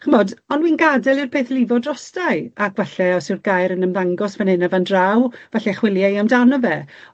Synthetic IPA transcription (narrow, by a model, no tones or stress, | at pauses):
χəmɔdɔnwiːnɡadɛlˠirpʰeːθlɪvɔdrɔsdajakvɛɬɛɔsɪrɡajɾənəmðaŋɡɔsvɛnɪnavandrawvɛɬɛχwɪlˠjajamdawnːəvɛ